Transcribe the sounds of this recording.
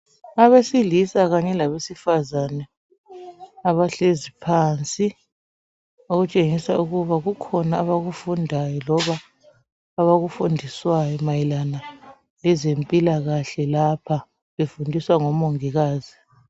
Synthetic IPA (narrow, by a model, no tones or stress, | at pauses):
aβesilisaɣaɲɛlaβesifazanɛ | aβaɬezipʰaːnt͡sʼi | oɣut͡ʃʼeŋisauɣuβaɣukʰɔnaːβaɣufundʱajɔlɔβaː | βaɣufundʱiswajɔmajilana | ɛzempʼilaɣaɬɛlapʰa | βefundʱiswaŋɔmoŋiɣaːzi